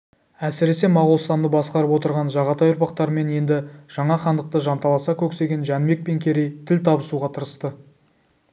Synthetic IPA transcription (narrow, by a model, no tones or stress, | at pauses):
æsɪɾe̞se̞mɑʁʊlˠst̪ɑnd̪əbɑsqɑɾəpwo̞t̪əɾʁɑnʒɑʁɑt̪ɑjʊɾpɑqt̪ɑɾəme̞nje̞nd̪ɪʒ̥ɑɴɑχɑnd̪əq̚t̪əʒɑnt̪ɑlˠɑsɑkʲʰɵkse̞ɡʲe̞nʒænme̞k̚pe̞ŋkʲʰe̞ɾe̞jt̪ʰɪlt̪ʰɑbəsuʁɑt̪ʰəɾəst̪ə